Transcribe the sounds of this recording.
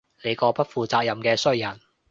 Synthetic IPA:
le˨˧jkɔː˧pɐ˥t̚fuː˨˧t͡saː˧k̚jɐ˨mkɛː˧sɵ˥˩jɐ˨˩n

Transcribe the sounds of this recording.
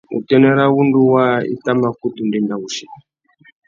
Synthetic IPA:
ṵ˨tɛ˦nɛ˦ɾa˦wu˦ndu˦wa˦ḭ˦ta˦ma˦ku˦tu˨ndi˦nda˨u˨ʃi˨

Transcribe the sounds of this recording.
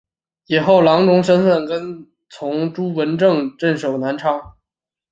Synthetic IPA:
i˨˩xo˥˩ʊlɑ˧˥ŋʈ͡ʂʊ˧˥ŋʂ̬ə˥nfə˥˩nkə˥n | t͡sʰʊ˧˥ŋʈ͡ʂu˥wə˧˥nʈ͡ʂɤ˥˧ŋʈ͡ʂə˥˩nʂo˨˩ʊna˧˥nʈ͡ʂʰɑ˥ŋ

